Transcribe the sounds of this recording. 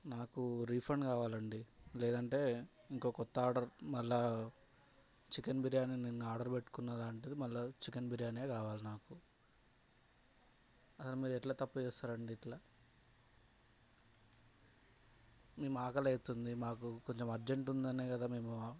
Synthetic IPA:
naːkuɾiːpʰɾɐɳkaːʋaːlɐɳɖilɛːd̪ɐɳʈe̞ː | iŋko̞ːkɔt̪ːɐaːɖɐɾmɐlːaː | t͡ʃikɐnbiɾjaːninenːuaːɾɖɐɾbe̞ʈːu̥kunːɐd̪aːɳʈeːd̪imɐlːat͡ʃikɐnbiɾijaːneːkaːʋaːlinaːku | ɐsɐlumiːɾɛʈlaːt̪ɐpːut͡ʃɛːst̪aːɾɐɳɖiːʈlaː | me̞ːmuaːkɐlɐjt̪und̪imaːkuko̞ɲt͡ʃemɐɾd͡ʒe̞ɳʈund̪ɐneːkɐd̪aːmeːmu

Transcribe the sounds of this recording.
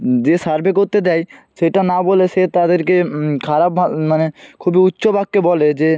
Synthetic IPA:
d͡ʑesaɾbʱek̬oɾt̪ed̪ɛjʃeʈanaboleset̪ad̪eɾkekʰaɾabamanekʰubiutːʃobʱaɡ̚ːebɔled͡ʑe

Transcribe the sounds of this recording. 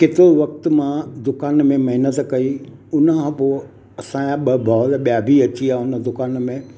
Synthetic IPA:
kɪt̪ɪɾoʋɐk̚t̪mãd̪ʊkaːnmẽmɐɦɪnət̪kɐiʊnəãpoː | ɐsãːaɓɐbʱaːlɓijaːbʱiɐt͡ɕiaːʊnə̆d̪ʊkaːnmẽ

